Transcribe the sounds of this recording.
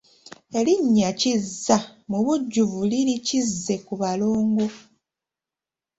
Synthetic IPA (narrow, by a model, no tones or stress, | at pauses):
e̞liɲːacizːamuβuɟːuvulilicizːe̞kuβalo̞ːŋɡo̞